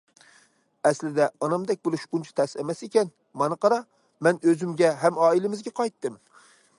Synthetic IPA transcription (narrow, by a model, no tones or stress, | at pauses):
æslɪd̪aɒnɒmd̪ɛk̚ʲbolˠɪʃbʊnt͡ʃʰḁt̪ʰæsamasekʲan | mɒnɨqɑɾɑ | mænɵzɪmɡʲaɦamɒːɪlɪmɪzɡʲaqʰɑjt̪ːɪm